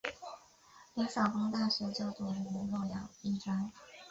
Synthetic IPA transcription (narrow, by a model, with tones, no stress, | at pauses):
li˧˥ŋʂɑ˨˩ʊfɤ˥ŋt̪a˥˩ɕɥɛ˧˥t͡ɕjo˥˩ʊt̪wɔ˨˩ʈ͡ʂə˧˥ni˧˥ŋlɔ˥˩jɑ˨˩˦ŋi˥˩ʈ͡ʂɑ˥ŋ